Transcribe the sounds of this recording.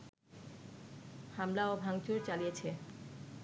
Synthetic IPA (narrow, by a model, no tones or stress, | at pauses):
hamlaɔbʱaŋt͡ɕoɾt͡ɕalijet͡ɕʰe